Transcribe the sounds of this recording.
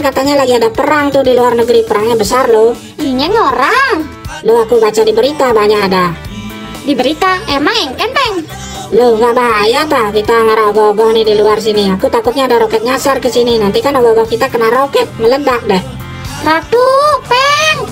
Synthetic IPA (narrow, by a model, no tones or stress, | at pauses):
kat̪aɲalaɡiadapəɾaŋt̪ʊhdiluarnəɡɾipəɾaŋɲabəsarlo | iɲɛŋoɾaŋ | lʊhakubat͡ʃadibəɾit̪abaɲakada | dibəɾit̪aemaŋiŋkanpɛŋ | lohɡabaːjat̪akit̪aŋaɾaoɡaoɡɔŋnɪhdiluars̬iniakut̪akʊt̪̚ɲaːdaɾokɛt̪̚ɲasarkəsininant̪ikanoɡaɡɔkit̪akənaɾokɛt̪̚mələdak̚dɛh | rat̪upɛŋ